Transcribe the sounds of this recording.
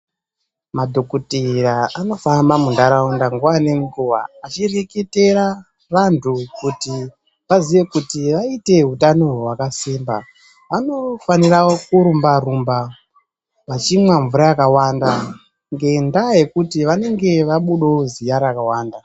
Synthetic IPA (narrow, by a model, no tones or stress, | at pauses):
madʱo̞kutiɾaano̞fambamundaɾaundaŋɡuʋaneŋɡuʋa̰at͡ʃirekete̞ɾa | rantʰukuti | ʋaziʋe̞kutiʋaite̞ɦutanowakasiːmba | ʋano̞fanirawokuɾumbarumba | ʋat͡ʃimwaɱvuɾajakawaːnda | ŋɡe̞ndaje̞kutiʋane̞ŋɡe̞ʋaɓuɗo̞zijaɾakawaːnda